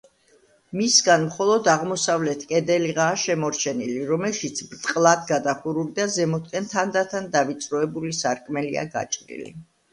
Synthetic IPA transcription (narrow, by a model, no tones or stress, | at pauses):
misɡanmχɔlˠɔd̪aʁmɔsavlɛt̪ʰkʼɛd̪ɛliʁaːʃɛmɔɾt͡ʃʰɛniliɾɔmɛlˠʃit̪sʰbɾt̪ʼqʼlˠad̪ɡad̪aχuɾulid̪azɛmɔt̪kʼɛnt̪ʰand̪at̪ʰand̪avit̪sʼɾɔɛbulisaɾkʼmɛlia̰ɡa̰t͡ʃʼɾḭlḭ